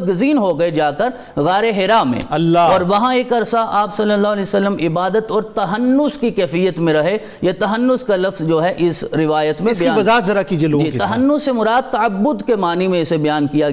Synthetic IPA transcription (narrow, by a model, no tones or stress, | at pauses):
ɡɐziːnɦoɡɐed͡ʒaːkɐɾ | ɣaːɾeɦɪɾaːmḛ̃ːɐlːaɔːɾʋɐɦãeːkɐɾsaʔaːbsɐlːəlːaːɦɐlɛːsɐlːəmɪbaːd̪ət̪ɔːɾt̪ɐɦɐnːʊskikɛːfijːət̪mẽɾɐɦe | jat̪ɐɦɐnːʊskalɐfzd͡ʒoːɦɛʔɪsɾɪʋaːjət̪mẽɪbɐjiaːʋɐzaːət̪zɐɾakid͡ʒieloːɡd͡ʒiːt̪ɐɦɐnːʊemʊɾaːd̪̚t̪ɐɐbːʊd̪kemaːnimẽɪsebɐjaːnkija